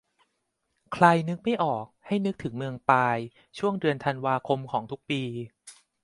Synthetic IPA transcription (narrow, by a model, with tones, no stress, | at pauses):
kʰla˧jnɯ˦˥k̚ma˥˩jʔɔː˨˩k̚ha˥˩jnɯ˦˥k̚t̪ʰɯ˩˦ŋmɯ˧əŋpaː˧j | t͡ɕʰu˥˩əŋdɯ˧ənt̪ʰa˧nwaː˧kʰo˧mkʰɔː˩˦ŋt̪ʰu˦˥k̚piː˧